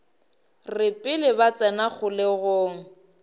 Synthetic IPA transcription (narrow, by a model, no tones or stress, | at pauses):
rɪpʼɪlɪbat͡sʼɛnaχʰʊlɪɣoːŋ̩